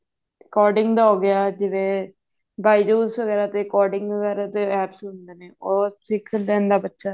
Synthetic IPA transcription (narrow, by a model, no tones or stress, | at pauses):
kɔːɾɖɪŋɡd̪aːɦoːɡɪaːd͡ʒɪʋeː | baːid͡ʒuːsʋəɡɛːɾaːt̪eːkɔːɾɖɪŋɡʋəɡɛːɾaːt̪eɛːpsɦʊnd̪eːneːoːsɪkʰəld̪ɛ̃ːnd̪aːbətːʃaː